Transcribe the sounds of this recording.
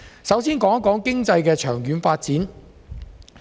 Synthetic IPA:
sɐ˨˥wsiː˥nkɔː˨˧˥ŋɐ˥kːɔː˨˥ŋkɪ˥ŋt͡sɐ˧jkɛː˧t͡ʃʰœː˨˩ŋjyː˨˧nfaː˧t̚t͡siː˨˥n

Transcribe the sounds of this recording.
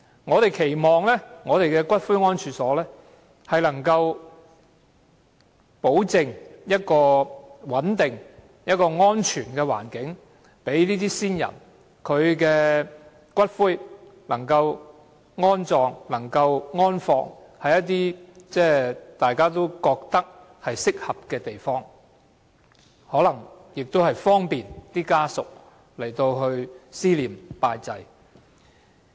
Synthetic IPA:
ŋɔː˨˧t̪e˨jkʰe˨˩jmɔː˨ŋlɛː˥ŋɔː˨˧t̪e˨jkɛː˧kʷɐ˥t̚fuː˥jŋɔː˥nt͡ʃʰyː˨˥sɔː˨˥lɛː˥ | hɐ˨jlɐ˨˩ŋkɐ˧w | po˨˥wt͡sɪ˨ŋjɐ˥t̚kɔː˧wɐ˨˥nt̪ɪ˨ŋ | jɐ˥t̚kɔː˧ŋɔː˥nt͡ʃʰyː˨˩nkɛː˧wa̰ː˨˩nkɪ˨˥ŋ | pe˨˥jliː˥t̪iː˥siː˥njɐ̰˨˩n | kʰɵ˨˧ɥkɛː˧ | kʷɐ˥t̚fuː˥j | lɐ˨˩ŋkɐ˧w | ŋɔː˥nt͡sɔː˨˧ŋlɐ˨˩ŋkɐ˧wŋɔː˥nfɔː˧ŋ | hɐ˨jɐ˥t̚t̪̬iː˥t͡sɛː˥˩t̪aː˨jkaː˥t̪o˥wkɔː˧k̚t̪ɐ˥k̚ | hɐ˨jsɪ˥k̚hɐ˨p̚kɛː˧t̪e˨jfɔː˥ŋ | hɔː˨˥lɐ˨˩ŋ | jɪ˨k̚t̪o˥whɐ˨jfɔː˥ŋpiː˨nt̪iː˥kaː˥sʊ˨k̚ | le˨˩jt̪o˧wɦɵ˧ɥsiː˥liː˨mpaː˧jt͡sɐ˧j

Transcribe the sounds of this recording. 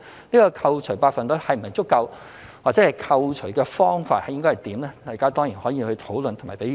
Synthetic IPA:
niː˥kɔː˧kʰɐ˧wt͡ʃʰɵ˨˩ɥpaː˧k̚fɐ˨nt̪o˥hɐ˨jm̩˨˩mɐ˨jt͡sʊ˥kːɐ˧w | waː˨t̚t͡sɛː˨˥hɐ˨jkʰɐ˧wt͡ʃʰɵ˨˩ɥkɛː˧fɔː˥ŋfa̰ː˧t̚hɐ˨˩jɪ˥ŋkɔ˥hɐ˨˩jt̪iː˨˥mlɛː˥t̪a˨˩jkaː˥t̪ɔː˥ŋjiː˨˩nhɔː˨˥jiː˧hɵ˧t̪ʰo˨˥wlɵ˨nt̪ʰma̰ː˨˩pe˨˥j

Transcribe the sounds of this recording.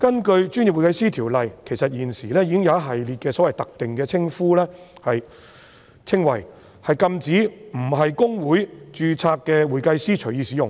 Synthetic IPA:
kɐ˥nkɵ˧ɥt͡ʃyː˥nji˨pwu˨jkɐ˧jsiː˥t̪ʰiː˨˩wlɐ˨jkʰe˨˩jsɐ˨t̚jiː˨˩nsiː˨˩lɛː˥jiː˧kɪ˥ŋjɐ˨˧ɐ˥ɦɐ˨jliː˨t̚kɛː˧sɔ˨˥wɐ˨jt̪ɐ˨k̚t̪ɪ˨ŋkɛː˧t͡sʰɪ˥ŋfuː˥lɛː˥ | hɐ˨j | t͡sʰɪ˥ŋwɐ̰˨˩j | hɐ˨jkɐ˧mt͡siː˨˥m̩˨˩ɦɐ˨jkʊ˥ŋwuː˨˥jt͡ʃyː˧t͡sʰaː˧kːɛː˧wuː˨˩jkɐ˧jsiː˥t͡ʃʰɵ˨˩ɥjiː˧siː˨˥jʊ˨ŋ

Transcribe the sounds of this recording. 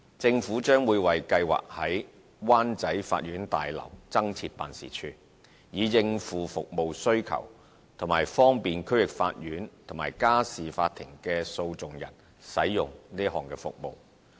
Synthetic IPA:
t͡sɪ˧ŋfuː˨˥t͡ʃœː˥ŋwuː˨˧jwɐ˨jkɐ˧jwa̰ː˨k̚hɐ˨˥j | waː˥nt͡sɐ˨˥jfa̰ː˧t̚jyː˨˥nt̪a̰ː˨jlɐ̰˨˩wt͡sɐ˥ŋt͡sʰi˧t̚pa̰ː˨nsḭː˨˩t͡ʃʰyː˧ | jiː˨˧jɪ˧ŋfuː˨fʊ˨k̚mo˨wsɵ˥ɥkʰɐ̰˨˩w | t̪ʰʊ˨˩ŋmaː˨˩jfɔː˥ŋpiː˨nkʰɵ˥ɥjɪ˨˩k̚fa̰ː˧t̚jyː˨˥nt̪ʰʊ˨˩ŋmaː˨˩jkaː˥siː˨faː˧t̪̚ʰːɪ˨˩ŋkɛː˧so˧wt͡sʊ˨ŋjɐ̰˨˩n | sɐ̰˨˥jːʊ˨ŋniː˥ɐ˥hɔː˨ŋkɛː˧fʊ̰˨k̚mo̰˨w

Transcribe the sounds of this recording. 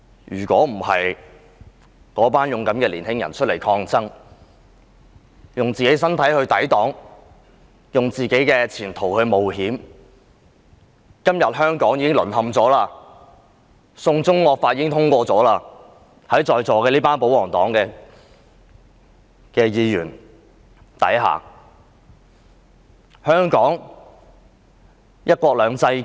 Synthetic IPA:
jyː˨˩kʷɔː˨˥m̩˨˩hɐ˨j | kɔː˨˥paː˥njʊ˨ŋkɐ˨˥mkɛː˧liː˨˩nhɪ˥ŋjɐ̰˨˩nt͡ʃʰɵ˥t̚le˨˩jkʰɔː˧ŋt͡sɐ˥ŋ | jʊ˨˩ŋt͡siː˨ke˨˥jsɐ˥nt̪ʰɐ˨˥jhɵ˧ɥt̪ɐ˨˥jt̪ɔː˨˥ŋ | jʊ˨ŋt͡siː˨ke˨˥jkɛː˧t͡sʰiː˨˩nt̪ʰo˨˩whɵ˧ɥmo˨whiː˨˥m | kɐ˥mjɐ˨t̚hœː˥ŋkɔː˨˥ŋjiː˨˥kɪ˥ŋlɵ˨˩nɦɐ˨mt͡sɔː˨˥laː˧ | sʊ˧ŋt͡sʊ˥ŋːɔː˧k̚faː˧t̚jiː˨˦˥ɪ˥ŋt̪ʰʊ˥ŋkʷɔː˧t͡sɔː˨˥laː˧ | hɐ˨˥jt͡ʃɔː˧jt͡sɔː˨kɛː˧liː˥paː˥npo˨˥wɔː˨˩ŋt̪ɔ̰ː˨˥ŋkɛː˧ | kɛː˧jiː˧jyː˨˩n | t̪ɐ̰˨˥jɦa̰ː˨˩ | hœː˥ŋkɔː˨˥ŋ | jɐ˥t̚kʷwɔː˧k̚lœː˨˧ŋt͡sɐ˧j

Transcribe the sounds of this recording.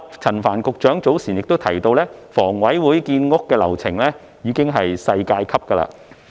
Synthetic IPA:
t͡sʰɐ˨˩nfaː˨˩nkʊ˨k̚t͡ʃœː˨˥ŋt͡so˨˥wsiː˨˩njɪ˨k̚t̪o˥wt̪ʰɐ˨˩jt̪o˧wlɛː˥fɔː˨˩ŋwɐ˨˥jwuː˨˥jkiː˧nŋʊ˥kːɛː˧lɐ˨˩wt͡sʰɪ˨˩ŋlɛː˥ | jiː˨˧kɪ˥ŋɦɐ˨jsɐ˧jkaː˧jkʰɐ˥p̚kə˧la̰ː˧

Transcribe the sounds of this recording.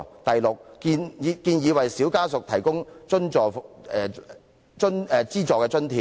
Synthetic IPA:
t̪ɐ˨jlʊ˨k̚ːiː˧nː˨˧kiː˧njiː˨˧wɐ˨jsiː˨˥wkaː˥sʊ˨k̚t̪ʰɐ˨˩jkʊ˥ŋt͡ʃɵ˥nt͡ʃɔː˨˧ | t͡ʃɵ˥nɛː˨˧t͡siː˥t͡sɔː˨kːɛː˧t͡ʃɵ˥nt̪ʰiː˨

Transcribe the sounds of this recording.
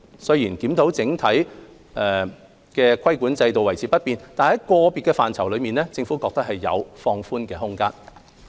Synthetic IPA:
sɵ˥ɥjiː˨˩nkiː˨˥mt̪o˨˥wt͡sɪ˨˥ŋt̪ʰɐ˨˥j | ɛ˨ | kɛː˧kʰɐ˥jkuː˨˥nt͡sɐ˧jt̪o˨wɐ˨˩jt͡sʰiː˨˥pɐ˥t̚piː˨nt̪aː˨nhɐ˨˥jkɔː˧piː˨t̚kɛː˧fa̰ː˨nt͡sʰɐ˨˩wlɵ˨˧ɥmiː˨nlɛː˥t͡sɪ˧ŋfuː˨˥kɔː˧k̚t̪ɐ˥k̚ɦɐ˨jːɐ̰˨˧wfɔː˧ŋfuː˥nkɛː˧ɦʊ˥ŋkaː˥n

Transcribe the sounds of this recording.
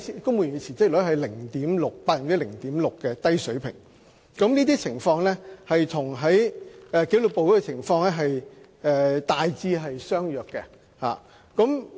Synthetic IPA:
i˨kʊ˥ŋmwu˨jy˨˧t͡sʰiː˨˩t͡sɪ˥k̚lɵ˨˥ɦɐ˨jlɪ˨˩ŋt̪iː˨˥mlʊ˨k̚paː˧˥˨ŋt͡si˥lɪ˨˩ŋt̪iː˨˥mlʊ˨kːɛ˧t̪ɐ˥jsɵ˨˥ɥpʰɪ̰˨˩ŋ | kɐ˨˥mniː˥t̪iː˥t͡sʰɪ˨˩ŋfɔː˧ŋlɛː˥hɐ˨jt̪ʰʊ˨˩ŋɦɐ˨˥jɛː˧ke˨˥lʊ˨po˨wjkɛ˧t͡sʰɪ˨˩ŋfɔː˧ŋlɛ˥ɦɐ˨j | ɛː˧t̪aː˨jt͡siː˧ɦɐ˨jsœː˥ŋjœː˨kːɛ̰˧ | ha̰ː˨˩ | kɔ˨˥m

